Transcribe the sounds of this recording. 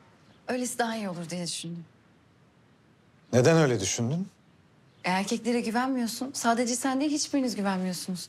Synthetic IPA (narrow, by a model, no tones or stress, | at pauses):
ø̞jlʲesid̪aɦaijio̞lˠuɾd̪ijad̪yʃynd̪yn | ned̪ænø̞jlʲɛd̪yʃynd̪yn | eæɾcʰɛclʲe̞ɾɛɟyvænmijo̞sunsaːd̪e̞d͡ʒɛsænd̪ɛɦit͡ʃbiɾinizɟyvænmijo̞ɾsunuz̥